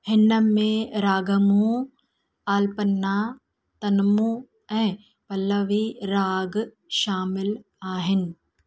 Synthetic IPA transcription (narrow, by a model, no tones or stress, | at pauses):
hɪnːəmẽɾaːɡəmũ | taːlpɐnːa | t̪ɐnmũ | ɛ̃ː | pɐlːəʋiɾaːɡ | ʃaːmɪl | aːɦɪnɪ̆